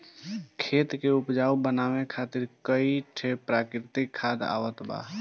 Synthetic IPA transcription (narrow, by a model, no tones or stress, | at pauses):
kʰeːt̪keupd͡ʒaːubənawekʰat̪iɾkəiʈʰepɾakɾɪt̪ikʰːad̪a̰ːwət̪ba̰